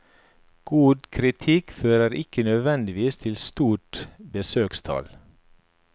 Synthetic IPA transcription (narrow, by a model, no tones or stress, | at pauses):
ɡ̥uːd̪kʰɾɪt̪ʰɪkføːɾəɾɪkənœd̪ʋɛnd̪ɪʋiːst̪ʰɪlst̪uːʈbəsøːkst̪ʰɑ̰l